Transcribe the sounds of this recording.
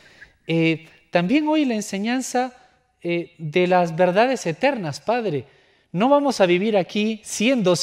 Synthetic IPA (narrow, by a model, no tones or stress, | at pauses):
e | t̪ambje̞ŋo̞jlaense̞ɲansa | eðe̞lazβe̞ɾðaðe̞se̞t̪e̞ɾnaspaðɾe | no̞βamo̞saβiβiɾakisje̞nd̪o̞s